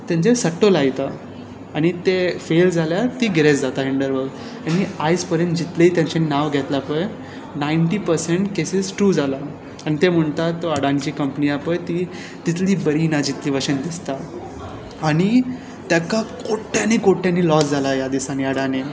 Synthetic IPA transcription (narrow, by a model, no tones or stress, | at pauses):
t̪jãɲd͡ʑesəʈːolajt̪a | aɽ̃it̪efeld͡zaljat̪iːɡʱeɾet͡sd͡zat̪aɦiɳɖəɾʋəɡ | añiajspəɾend͡ʑit̪leit̪jãɲt͡ɕaninaʋɡʱɛt̪lapəj | naiɳʈiːpəɾseɳʈkesisʈɾuːd͡zʱala | añit̪em̤əɳt̪at̪ːəɽant͡ɕiːkəmpniapəjt̪i | t̪it̪liːbəɾinad͡ʑit̪liːʋəɕənd̪ist̪aː | ɽ̃i | t̪jakakoʈːjanikoʈjanːilɔsd͡zalajad̪isañiəɽane